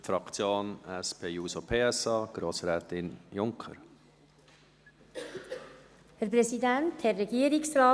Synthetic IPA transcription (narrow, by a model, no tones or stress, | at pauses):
fɾɑkt͡sjoːnɛspʰeːjuːsopʰeːɛsɑːɡ̥ɾoːsɾɛːt̪ɪnjʊŋkʰə̰ɾ | hæɾp̬ɾɛsidænt̪hɛrːɛɡiəɾɪksɾɑː